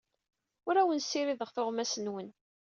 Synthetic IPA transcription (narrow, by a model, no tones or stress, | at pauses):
ʊɾæwənsːiɾiðəʁθʊʁmæsənwən